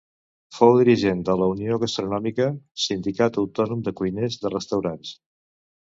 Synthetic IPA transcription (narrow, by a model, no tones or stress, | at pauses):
fowðiɾiʒend̪ələunioɣəst̪ɾunɔmikəsind̪ikat̪əwt̪ɔnumd̪əkujnezðərəst̪əwɾans